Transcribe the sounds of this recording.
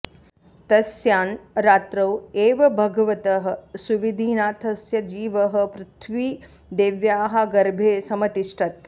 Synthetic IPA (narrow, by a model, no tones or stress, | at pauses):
t̪ɐsjaːnɾaːt̪ɾɐweːʋɐbʱɐɡɐʋɐt̪ɐɦɐ̆suʋid̪ʱiːnaːt̪ʰɐsjɐd͡ʒiːʋɐɦɐ̆pɾut̪ʰʋiː | d̪eːʋjaːɦɐ̆ɡɐɾbʱeːsɐmɐt̪iʂʈʰɐt̪